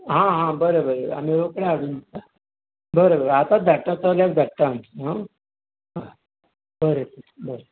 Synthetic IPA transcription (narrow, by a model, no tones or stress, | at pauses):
ɦãɦãbəɾebəɾea̰miɾokɽaaɽuːnd̪it̪a | bəɾebəɾeat̪ad̪ʱəʈːət͡səlak̚d̪ʱəʈːaənt̪iɦã | ɦa | bəɾetəbəɾe